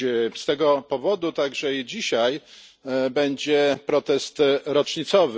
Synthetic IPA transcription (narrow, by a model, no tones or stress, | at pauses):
st̪ɛɡɔpɔvɔd̪ut̪aɡʐɛid͡ʑiɕaj | bɛɲd͡ʑɛpɾɔt̪ɛst̪ɾɔt͡ʂɲit̪sɔvɘ